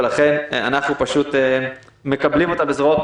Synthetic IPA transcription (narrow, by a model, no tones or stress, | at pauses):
laχe̞nanaχnupaʃut̪e | me̞kablimo̞t̪abezʁaot̪̚